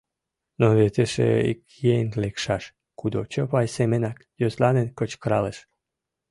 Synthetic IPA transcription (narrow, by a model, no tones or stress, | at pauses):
noβet̪eʃḛḭkjenlekʃɑʃ | kud̪ot͡ɕəpɑjsemenɑkjozlɑnenkət͡ɕkɾɑleʃ